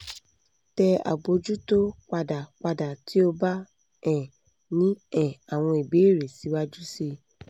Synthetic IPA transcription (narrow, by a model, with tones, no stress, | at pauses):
tɛ˧a̰˨ɡ͡bo˧d͡ʒu˦to˦k͡pa˧da˨k͡pa˧da˨tʰi˨˦o˦ba˦ | ɛ̃˦˨ | nĩ˦ɛ̃˨a˨w̃ɔ̃˧i˨be˨˦˨ɾe˨si˨˦wa˦d͡ʒu˦se˧